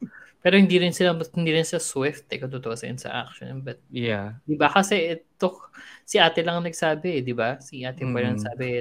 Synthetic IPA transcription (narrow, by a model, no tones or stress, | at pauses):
pɛːɾohɪnd̪iːɾɪnsɪlahɪnd̪iɾɪnsɪlaswɪft̪ʔɛkot̪ʊt̪oʔosɐʔɐ̰nsɐ̰ʔa̰kʃo̰nbɐt̪̚jad̪ɪbakɐsɛʔɛt̪osɪʔaːt̪ɛlɐŋnɐɡsaːbɛɛd̪ɪbasiʔaːt̪ɪpɐlɐŋnɐɡsaːbɛ